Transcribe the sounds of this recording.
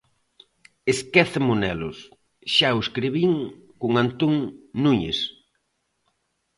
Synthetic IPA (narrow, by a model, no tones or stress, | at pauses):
eskɛθamʊnɛlʊ̰s | ʃaoeskɾiβiŋkʊŋant̪uŋnuɲḛs